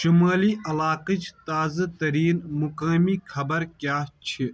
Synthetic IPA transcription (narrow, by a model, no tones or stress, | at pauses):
ʃimaːliʔɐlaːqit͡ʃt̪aːzɐt̪ɐɾiːnmukaːmikʰɐbɐɾkjaːt͡ʃʰi